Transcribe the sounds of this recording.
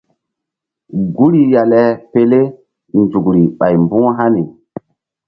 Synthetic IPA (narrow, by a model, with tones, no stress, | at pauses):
ɡu˦ɾi˨ja˨lɛ˨pe˦le˦ | nd͡ʒu˨kɾi˨ɓa˨jmbu˦ɦa˦ni˨